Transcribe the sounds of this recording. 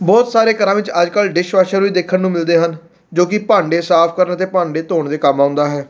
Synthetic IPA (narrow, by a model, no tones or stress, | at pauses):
bɔːt̪saːɾeːkəɾãːʋɪt͡ʃəd͡ʒkəlɖɪʃʋaːʃəɾʋiːd̪eːkʰːənːũːmɪld̪eːɦən | d͡ʒoːkɪpãːɳɖeːsaːpʰkəɾənt̪eːpãːɳɖeːt̪oːɳd̪eːkəmãːʊnd̪aːɦɛː